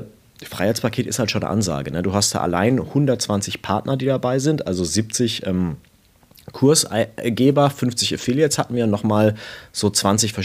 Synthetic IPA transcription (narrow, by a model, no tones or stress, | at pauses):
fʁ̥aɪhaɪt͡spʰakʰeːtɪsthaltʃoːndə̰ʔa̰nza̰ːɡənəduːɦast̚d̥a̰ːʔa̰la̰ɪnhʊndɐt̚t͡sv̥ant͡sɪçpʰaɐtnʔɐdiːdabaɪzɪntʔalzoziːp̚t͡sɪçʔɛːm | kʰʊɐsɪɡeːbɐfʏnft͡sɪçefiljɛshatn̩viːnɔχmaːlz̥oːt͡sv̥ant͡sɪçfɛɐ